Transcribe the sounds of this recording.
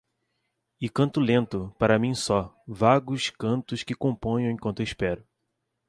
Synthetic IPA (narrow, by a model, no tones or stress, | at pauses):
ɪkɐ̃nt̪ʊlẽnt̪ʊpaɾɐmĩsɔ | vaɡʊskɐ̃nt̪ʊskɪkõmpõj̃ɐ̃w̃ẽkwɐ̃nt̪ʊiʃpɛɾʊ